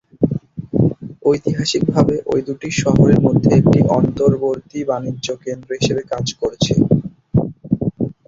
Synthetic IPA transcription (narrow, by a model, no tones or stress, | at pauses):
ojt̪iɦaʃik̚bʱabeʔojd̪uʈiʃɔɦoɾeɾmod̪ʱːeek̚ʈiʔɔnt̪oɾboɾt̪ibanid͡ʑːokend̪ɾoɦiʃebekad͡ʑkoɾt͡ɕʰḛ